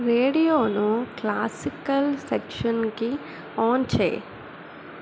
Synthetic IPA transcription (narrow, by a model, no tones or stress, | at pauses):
ɾeːɽijonõklaːsɪkəlsekʃənki | ɔːnt͡ʃʰḛː